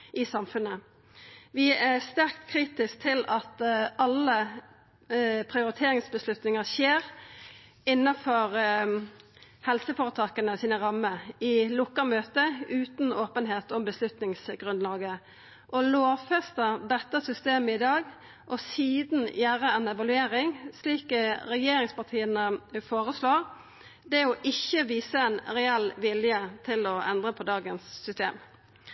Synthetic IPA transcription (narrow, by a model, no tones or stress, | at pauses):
ʔɪsɑmfʉnə | ʋɪæst̪æɾk̚t̪kʰɾiːt̪ɪsk̚t̪ʰɪlɑt̪ɑlːə | pʰʁɪʊɾɪt̪ʰeːɾɪŋsbəslʉt̪nɪŋəseːʁ | ɪnːɑfɔɾ | hɛlsəfoːʁət̪ʰɑːkənəɔsiːnəʁɑmːəɪlʊkːəmøːt̪əʉːt̪noːpənɦeːt̪ɔmbəslʉt̪nɪŋsɡʁʉnlɑːɡə | ʔɔloːfɛst̪əd̪ɛt̪ːəsʏst̪eːməɪd̪ɑːɡ | ʔɔsiːd̪n̩jæːʁəɛnɛʋɑlʉeːɾɪŋsliːkɾɛjeːɾɪŋspɑʁt̪ʰiːənəfoːʁəsloːʁ | d̪ɛɔʔɪçːəʋiːsəɛnɾɛɛlʋɪljət̪ʰɪlɔɛnd̪ʁəpʰɔd̪ɑːɡənsːʏst̪ḛːm